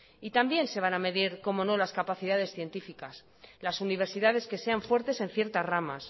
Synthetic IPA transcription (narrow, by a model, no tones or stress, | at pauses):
it̪ambje̞nse̞β̞aname̞ðiɾko̞mo̞no̞laskapaθiðað̞e̞sθje̞nt̪ifikas | lasuniβ̞e̞ɾsiðað̞e̞ske̞se̞aɱfwe̞ɾt̪e̞sẽ̞n̟θje̞ɾt̪azrama̰s